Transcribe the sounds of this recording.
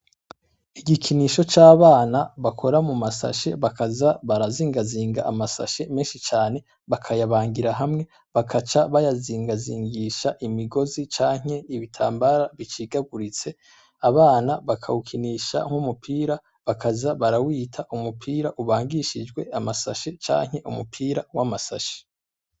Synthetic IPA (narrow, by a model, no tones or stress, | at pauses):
iɡikʰiniːʃo̞t͡ʃaːβaːnaβakʰo̞ɾamumasa̰ʃe̞βakazaβaɾaziːŋɡaziːŋɡaʔamasa̰ʃe̞meːnʃit͡ʃaːne̞ | βakʰajaβaːŋɡiɾaɦamŋe̞ | βakʰat͡ʃaβajaziːŋɡaziːŋɡiːʃaʔimiɡo̞zit͡ʃaːŋ̥e̞iβitʰa̰ːmbaɾaβit͡ʃiːɡaɡuɾit͡se̞ | aβaːnaβakʰa̰ukʰiniʃa̰ŋ̥humupʰiːɾa | βakʰazaβaɾawiːtʰaʔumupʰiːɾaʔuβaːŋɡiʃid͡ʒɡwe̞amasa̰ʃet͡ʃa̰ːŋ̥e̞ʔumupʰiːɾawamasa̰ʃe̥